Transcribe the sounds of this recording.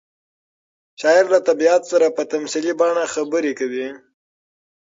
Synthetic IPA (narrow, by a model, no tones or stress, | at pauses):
ʃɑɪɾlat̪abiɑt̪saɾapət̪amsilibɑɳaxabəɾekawi